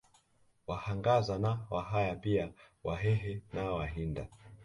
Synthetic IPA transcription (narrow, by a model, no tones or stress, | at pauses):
wahaŋɡazanawaɦajapia | waɦɛɦɛnawaɦinda